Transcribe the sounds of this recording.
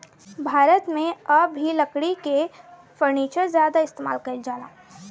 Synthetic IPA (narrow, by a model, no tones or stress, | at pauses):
bʱaːɾət̪mẽɐbɦiləkɽike | fəɾniːt͡ʃəzjaːd̪aɪst̪eːma̰ːlkɐld͡ʒaːla̰ː